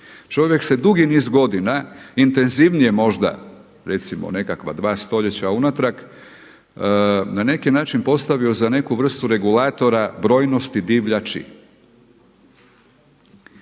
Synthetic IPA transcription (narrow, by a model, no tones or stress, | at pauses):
t͡ʃo̞ʋje̞kse̞d̪uɡiniːzɡo̞d̪inaint̪e̞nziʋnije̞mo̞ʒd̪a̰ | ɾe̞t̪simo̰ne̞kakʋa̰d̪ʋaːst̪o̞ʎe̞t͡ɕaunat̪ɾak | nane̞kinaːt͡ʃinpo̞st̪aʋio̞zane̞kuʋr̩st̪uɾe̞ɡulaːt̪o̞ɾabɾo̞ːjno̞st̪id̪iʋʎat͡ʃḭ